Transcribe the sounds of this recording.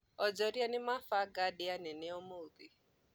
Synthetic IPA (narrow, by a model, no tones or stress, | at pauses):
ɔd͡ʒɔɾianɪmafaɡadɪanɛneɔmoubi